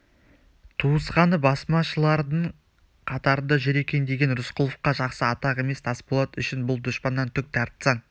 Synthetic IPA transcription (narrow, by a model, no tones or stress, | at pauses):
t̪ʰuəsqɑnəbɑsmɑʃəlˠɑɾd̪əɴ | qʰɑt̪ɑɾənd̪ɑʒʏɾe̞kʲe̞nd̪eɡʲe̞nɾʊsqʰʊlˠəfqɑʒɑqsəɑt̪ɑʁe̞me̞st̪ʰɑspolˠɑt̪ʏʃɪnbʊlˠd̪ʊʃpɑnːɑnt̪ʰʏk̚t̪ʰæɾt̪sɑn